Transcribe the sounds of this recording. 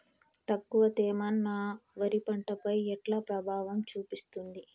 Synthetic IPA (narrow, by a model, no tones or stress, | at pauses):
t̪ɐkːuʋɐt̪ɛːmɐnaːʋɐɾipɐɳʈɐpɐjɛʈlaːpɾɐbʱaːʋɐmt͡ʃuːpist̪und̪i